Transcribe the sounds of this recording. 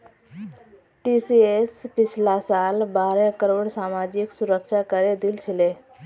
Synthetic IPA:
ʈiːsiːespɪt͡ʃʰlasaːlbaːɾɛ̃kəɾoːɽsaːmaːd͡ʒɪksʊɾəkʃakəɾed̪ɪlt͡ʃʰɪleː

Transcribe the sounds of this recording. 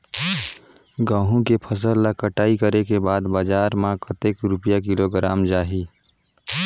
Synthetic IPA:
ɡãːɦũkepʰəs̬əlːakəʈaːikəɾekebaːd̪baːd͡ʒaːɾmãkət̪eːkɾʊpjakɪloɡɾaːmd͡ʒaːɦi

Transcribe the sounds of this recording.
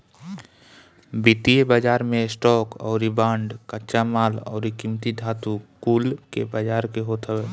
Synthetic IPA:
bit̪ijebad͡ʒaːɾmẽsʈɔːkɔ̰ːɾibaːɳɖkət͡ʃamaːlɔ̰ːɾikimt̪id̪ʱaːt̪ukuːlkḛbad͡ʒaːɾkeɦot̪ʰəeː

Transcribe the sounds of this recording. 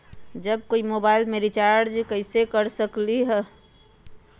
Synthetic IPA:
d͡ʒəb̚koimobaɪlmeɾit͡ʃaːɾɾd͡ʒkəɪsekəɾsəkliɦɛː

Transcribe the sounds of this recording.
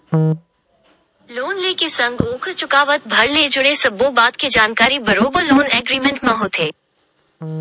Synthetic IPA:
loːnleːkesɐ̃ŋɡoːkʰt͡ʃʊkaːʋət̪̚bʱɐɾled͡ʒʊɽesɐbõbaːt̪ked͡ʒaːnkaːɾibɐɾoːbəɾloːnɛːɡɾiːmẽɳʈmãɦot̪ʰeː

